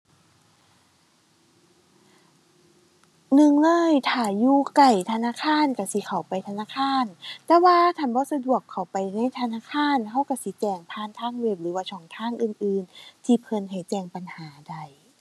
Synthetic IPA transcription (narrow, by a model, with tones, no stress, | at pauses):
nɯ˧˨ŋlɤː˧˥˩jt̪ʰaː˧˩juː˧˩ka˨˩jt̪ʰa˧naː˧˥˨kʰaː˧˥˨nka˧˩si˧˦kʰa˨˩wpa˧˨jt̪ʰa˧naː˧˥˨kʰaː˧˥˨nt̪ɛː˧waː˧˥t̪ʰa˧˩nbɔː˧˦sa˧du˨˩əkʰːa˨˩wpa˨jna˧˥˨jt̪ʰa˧naː˧˥˨kʰaː˧˥˨nɦa˧˥˩wka˧˩siː˨˦t͡ɕɛː˧˩ŋpʰaː˧˥˨nt̪ʰaː˧˥˨ŋwe˧˩p̚lɯː˨˦waː˧˩t͡ɕʰɔː˧˨˦ŋt̪ʰaː˧˥˨ŋʔɯː˨˩nʔɯː˨˧nt̪ʰi˧˦pʰɤ˧˦nɦa˨˩jt͡ɕɛː˧˩ŋpa˧nhaː˩˦da˧˩j